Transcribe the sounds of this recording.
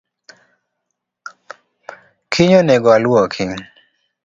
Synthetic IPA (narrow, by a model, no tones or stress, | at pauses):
kʰiɲonɛɡɔaluɔkʰiŋ